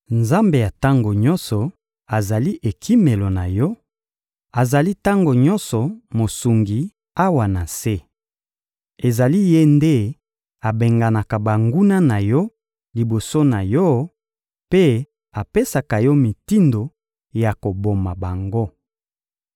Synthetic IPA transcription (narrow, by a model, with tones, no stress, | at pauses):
nza˦mbe˨ja˨ta˦ŋɡo˨ɲɔ˦nsɔ˨ | a˨za˨li˦ʔe˨kʰi˦me˨lo˨na˨jɔ˦ | a˨za˨li˦ta˦ŋɡo˨ɲɔ˦nsɔ˨mo˨su˨ŋɡi˨ | a˦wa˨na˨se˦ | e˨za˨li˦je˦nde˦ | a˨be˨ŋɡa˨na˨ka˨ba˨ŋɡu˦na˦na˨jɔ˦ | li˨bo˨so˦na˨jɔ˦ | pe˦ | a˨pe˦sa˨ka˨jɔ˦mi˨ti˦ndo˨ | ja˨ko˨bo˨ma˨ba˨ŋɡo˦